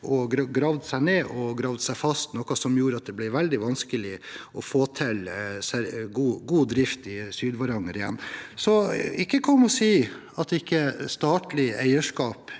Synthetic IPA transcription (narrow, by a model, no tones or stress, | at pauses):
ʔɔɡɾɑɡɾɑʋd̪sæɪneːʔɔɡɾɑːʋd̪sæɪfɑst̪nɔkɑsɔmjuːɾəɑt̪̚d̪ɛblɪʋɛld̪ɪʋɑnskəlɪʔɔfoːt̪ʰɪlsæɾɡuːɡuːd̪ɾɪft̪ɪsyːd̪ʋɑɾɑŋːəɾɪjɛ̰nːsɔɪkːəkʰɔmːɔsiː | ɑt̪ɪkːəst̪ɑːʈ̪lɪæɪəʂkɑːp